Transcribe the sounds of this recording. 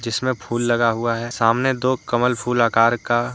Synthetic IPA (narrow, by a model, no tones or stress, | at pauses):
d͡ʒɪsmẽpʰuːlːɐɡaɦʊaɦɛːsaːmned̪oːkɐməlpʰuːlaːkaːɾka